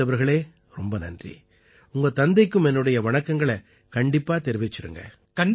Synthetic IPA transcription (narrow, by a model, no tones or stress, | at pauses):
ɐʋɐɾɣɐɭeː | ɾɔmbɐnɐ̰ndrḭ | ʊŋɡɐt̪ɐnd̪ɐɪkːɯmɛnːɯɽɐjɐʋɐɳɐkːɐŋɡɐɭɐ | kɐɳɖɪpːaːt̪ɛɾɯʋɪt͡ʃːɪɾɯ̰ŋɡɐ̰ | kɐɳ